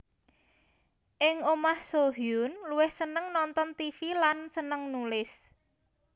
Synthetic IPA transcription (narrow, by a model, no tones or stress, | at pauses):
ʔɪŋomahsoɦjʊnluwɪhsənəŋnɔnt̪ɔnt̪ifilansənəŋnulɪs